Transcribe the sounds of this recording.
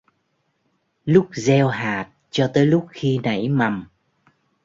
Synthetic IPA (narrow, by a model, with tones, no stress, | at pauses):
lʊ˦˥k͡p̚zɛ˧wɦaː˨˩t̚t͡ɕɔ˧t̪əː˨˦jlʊ˦˥k͡p̚xi˧na˧˩jma˨˩m